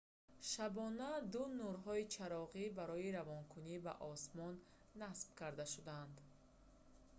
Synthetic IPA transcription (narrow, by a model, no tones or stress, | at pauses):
ʃabɔnad̪unuɾɦɔit͡ʃʰaɾɔʁibaɾɔiɾavɔnkʰuniba̰ʔɔsmɔnː | asb̥̚kʰaɾd̪aʃud̪and̪